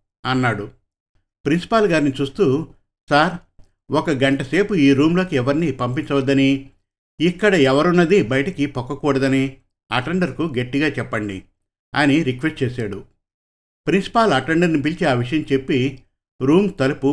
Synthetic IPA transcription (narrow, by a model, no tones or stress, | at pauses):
ɐnːaːɽu | pɾinsi̥paːlɡaːɾinit͡ʃuːst̪uː | saːɾ | ɔkɐɡɐɳʈɐse̞ːpuiːɾuːmlo̞ːkiɛʋɐɾnipɐmpiɲt͡ʃɐʋɐd̪ːɐniː | kːɐɽɐɛʋɐɾunːɐd̪ibɐjɐʈɐkipɔkːɐkuːɽɐd̪ɐni | ɐʈeɳɖɐɾkuɡe̞ʈːiɡaːt͡ʃɛpːɐɳɖḭ | ɐniɾikʋesʈ̚t͡ʃeːsaːɽu | pɾinsi̥paːlɐʈeɳɖɐɾnip̬ilt͡ʃiaːʋiʂɐjɐmt͡ʃe̞pːi | ɾuːmt̪ɐlɐpu